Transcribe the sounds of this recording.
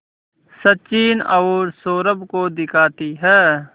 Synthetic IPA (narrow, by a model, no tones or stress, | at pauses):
sɐtt͡ʃiːnɐʊɾsoːɾəbkod̪ɪkʰaːt̪iɦɛː